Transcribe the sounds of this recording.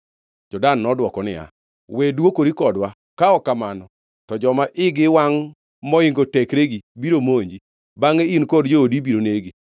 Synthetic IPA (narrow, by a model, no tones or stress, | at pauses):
d͡ʒɔdanːɔdwɔkɔnɪ̰a̰ | wedwokoɾikɔdwa | kaɔkamanɔ | tɔd͡ʒɔmaʔɪɡɪwaŋ | mɔɪŋɡotɛkɾeɡibiɾomoɲd͡ʒi | baŋeinkɔdd͡ʒoodibiɾoneɡi